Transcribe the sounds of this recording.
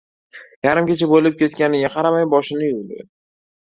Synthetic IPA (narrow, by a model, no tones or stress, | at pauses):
jaɾɪmkʲet͡ʃʰabolɪp̚kʲʰe̞t̪̚kʲanɪɡʲaqʰɑɾamajbɒʃɪnɪjʊlɪ̰